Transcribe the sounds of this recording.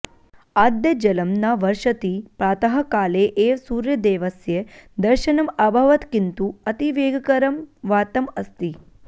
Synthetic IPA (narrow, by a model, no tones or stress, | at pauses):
aːd̪jɐd͡ʒɐlɐmnaʋɐɾʃɐt̪ipɾaːt̪ɐɦɐ̆kaːleʔeːsuːɾjɐd̪eːʋɐsjed̪ɐɾʃɐnɐmabʱɐʋɐt̪kint̪uɐt̪iʋeːɡɐkɐɾɐmʋaːt̪ɐmɐst̪i